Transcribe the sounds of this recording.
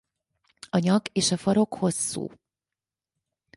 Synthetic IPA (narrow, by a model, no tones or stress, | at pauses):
ɒɲɒɡeːʃɒfɒɾo̞kho̞sːṵː